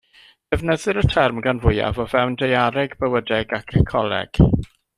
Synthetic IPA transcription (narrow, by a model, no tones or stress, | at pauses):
d̥ɛvnəðɨɾətʰɛrmɡanvʊja̰vɔvɛwndejaɾɛɡbəwədɛɡakʰəkʰɔlˠɛ̰ɡ̥